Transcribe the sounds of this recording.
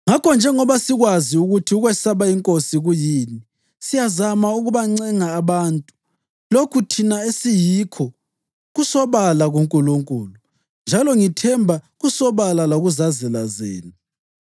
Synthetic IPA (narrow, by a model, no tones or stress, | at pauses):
ŋakʰɔnd͡ʒʱɛŋɔβasiɣwaziuɣutʰiuɣwɛsaβaiŋkʼosiɣujiːni | sijazamauɣuβaŋ͡ǀɛŋaːβaːntʼu̥ | lokʰutʰinaesijikʰɔ | ɣusɔβalaɣuŋkʼuluŋkʼuːlu | nd͡ʒʱalɔŋitʰɛmbʱa | ɣusɔβalalaɣuzazɛlazḛːni